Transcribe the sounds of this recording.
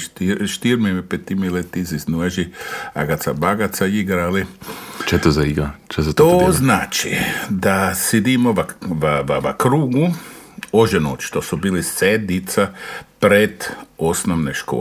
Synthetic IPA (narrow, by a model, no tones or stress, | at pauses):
t̪iʃt̪iɾmempet̪imilet̪iziznuaʒia̰ɡat̪sa̰baɡat̪saiɡɾalit͡ʃɛt̪ozaiɡɾat͡ʃɛzat̪oznaːt͡ʃḭd̪ased̪imoaʋaʋaʋa̰kɾuːɡu | oʒenot͡ʃt̪osubiːlised̪it̪sapɾed̪osnoʋneʃko̰ː